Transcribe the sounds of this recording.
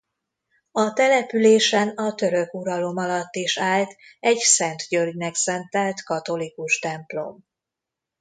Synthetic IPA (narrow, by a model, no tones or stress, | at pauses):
ɒt̪ɛlɛpyleːʃɛnɒt̪ø̞ɾø̞kuɾɒlo̞mɒlɒt̪ːiʃaːlt̪ɛɟsɛnt̪ɟørɟnɛksɛnt̪ɛlt̪kɒt̪o̞likuʃt̪ɛmplo̞̰m